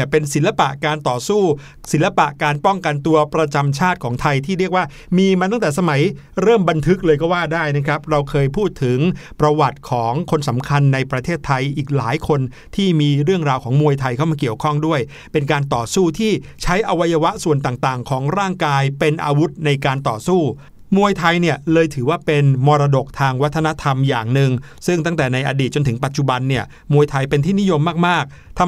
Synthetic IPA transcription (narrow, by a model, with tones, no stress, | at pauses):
pe˧nsi˨˩˦nla˧pa˨˩ʔkaː˧nt̪ɔː˨˩suː˥˩ | si˨˩˦nla˧pa˨˩ʔkaː˧npɔ˥˩ŋka˧nt̪u˧ɐpɾa˧t͡ɕa˧mt͡ɕʰaː˥˩t̪̚kʰɔː˩˦ŋt̪ʰa˧jt̪ʰiː˥˩ɾi˥˩ək̚waː˥˩ | miː˧maː˧t̪̬a˥˩ŋt̪ɛː˨˩sa˧ma˩˦j | ɾɤː˥˩mba˧nt̪ʰɯ˦˥k̚lɤː˧jkɔː˥˩waː˥˩daː˥˩jna˦˥kʰɾa˦˥p̚ɾa˧wkʰɤː˧jpʰuː˥˩t̪ʰːɯ˩˦ŋpɾa˧wa˨˩t̪̚kʰɔː˩˦ŋkʰo˧nsa˩˦mkʰa˧nːa˧jpɾa˧t̪ʰeː˥˩t̪ʰːa˧jʔiː˨˩k̚laː˩˦jkʰo˧n | t̪ʰiː˥˩miː˧ɾɯ˥˩əŋɾaː˧wkʰɔː˩˦ŋmu˧əjt̪ʰa˧jkʰa˥˩maː˧ki˨˩əwkʰɔ˥˩ŋdu˥˩əj | pe˧nkaː˧nt̪ɔː˨˩suː˥˩t̪ʰiː˥˩t͡ɕʰa˦˥jʔa˧wa˦˥ja˧wa˦˥ʔsu˨˩ənt̪̬aː˨˩ŋt̪aː˨˩ŋkʰɔː˩˦ŋɾaː˥˩ŋkaː˧jpe˧nʔa̰ː˧wu˦˥t̪̚na˧jkaː˧nt̪ɔː˨˩suː˥˩ | mu˧əjt̪ʰa˧jni˥˩ɐlɤː˧jt̪ʰɯː˩˦waː˥˩pe˧nmɔː˧ɾaː˧do˨˩k̚t̪ʰaː˧ŋwa˦˥t̪ʰːna˦˥t̪ʰa˧mjaː˨˩ŋnɯ˨˧ŋ | sɯ˥˩ŋt̪a˥˩ŋt̪ɛː˨˩na˧jʔa̰˧diː˨˩t̪̚t͡ɕo˧nt̪ʰɯ˩˦ŋpa˨˩t̪̚t͡ɕu˨˩ba˧nːi˥˩ɐ | mu˧əjt̪ʰa˧jpe˧nt̪ʰiː˥˩ni˦˥jo˧mːaː˥˩k̚maː˥˩k̚ | t̪ʰ